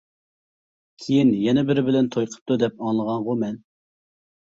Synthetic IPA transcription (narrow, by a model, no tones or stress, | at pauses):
kʲʰijinjɛnɛbɪɾɪbɪlɛnt̪ʰojqʰə̥p̚t̪ud̪ɛpɑŋlˠəʁɑŋʁʊmɛn